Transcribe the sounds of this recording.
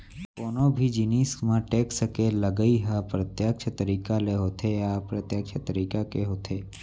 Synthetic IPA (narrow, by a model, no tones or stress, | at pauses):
koːnobʱid͡ʒinismãʈeːksəkeləɡəiɦapɾət̪jak̚t͡ʃʰət̪əɾiːkaleɦot̪ʰeapɾət̪jək̚t͡ʃʰət̪əɾiːkakeɦoːt̪ʰe